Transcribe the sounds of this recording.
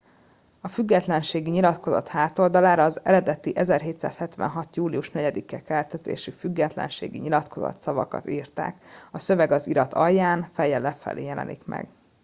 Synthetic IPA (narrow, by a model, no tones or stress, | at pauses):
ɒfyɡːɛt̪lɛnʃeːɡiɲilɒt̪ko̞zɒt̪haːt̪o̞ld̪ɒlaːɾɒːzɛɾɛd̪ɛt̪iʔɛzɛrɦeːt̪sa̰ːshɛt̪ʋɛ̰nɦɒt̪juːliuʃnɛɟɛd̪ikɛkɛlt̪ɛzḛːʃyfyɡːɛt̪lɛ̰nʃḛːɡḭɲilɒt̪kʰo̞zɒ̰t̪sɒvɒ̰kɒ̰t̪iːrt̪a̰ːkɒsø̞vɛɡɒziɾɒt̪ʰɒjːaːnfɛjːɛlːɛfɛ̰leːjɛlɛ̰nḭkmɛ̰ɡ̥